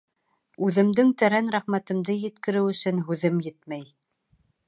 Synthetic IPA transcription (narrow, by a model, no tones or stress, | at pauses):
ʉðɘ̆md̪ɘŋt̪æɾænɾæχmæt̪ɤ̆md̪ɤjɘ̆t̪kɘ̆ɾɘwɵ̆sɵnɦʉðɘmjɘt̪mæj